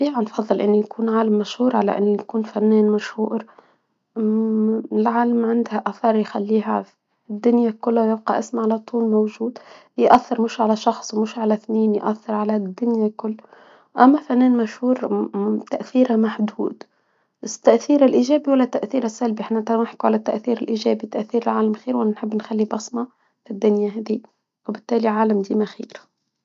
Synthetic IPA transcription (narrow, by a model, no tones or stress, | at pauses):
biːʕanfɑðˤːɨlʔɪnːujakʰuːnʕaːlamːaʃhuːɾˤʕala̰ʔɪ̰nːujakuːnfanːeːnmaʃhuːɾ | ɪlʕaːlamʕɪnd̪haʔaθɑɾˤjxalːiːɦa | ɪd̪ːʊnjakʊlːajɪb̚qɑʔɪsmʕalat̪ˤʰuːlmowʒuːd̪ | jʔaθːɪɾmɪʃʕalaʃɑxsˤwmɪʃʕalaθniːnjʔaθːɪɾʕalad̪ːʊnjakʊlː | ʔæmːæfænːɛːnmæʃhuːɾt̪aʔθiːɾamaħd̪ṵːd̪ | ɪt̪ːaʔθiːɾɪlʔiʒæːbiwalːæt̪ːaʔθiːɾasːælbiʔɪħnʔɪnt̪ænɪħkuʕalæt̪ːaʔθiːɾɪlʔiʒæːbit̪aʔθiːɾɪlʕaːlamxiːɾwʔanænħɪbːnxalːibɑsˤmɑ | fid̪ːʊnjaɦæːd̪i | wbɪt̪ːæːliʕaːlamd̪iːmaxḭːɾ